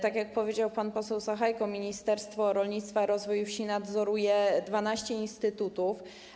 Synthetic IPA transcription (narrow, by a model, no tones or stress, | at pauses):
t̪akʲjak̚pɔvʲjed͡ʑawpanpɔsɛwsaxajkɔmʲiɲist̪ɛɾst̪fɔɾɔlɲit̪st̪faɾɔzvɔjufɕinad̪zɔɾujɛd̪vanaɕt͡ɕɛinst̪ɘt̪ut̪uf